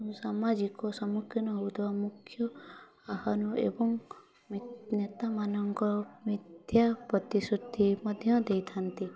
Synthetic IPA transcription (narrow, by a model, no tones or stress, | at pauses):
usamad͡ʒikɔsɔmukʰːinɔɦowt̪bamukʰːjɔ | ahanuʔḛbɔŋ | minet̪amanɔŋkɔmid̪ʱjapɾɔt̪isud̪ʱimɔd̪ʱjɔd̪ejt̪ʰant̪i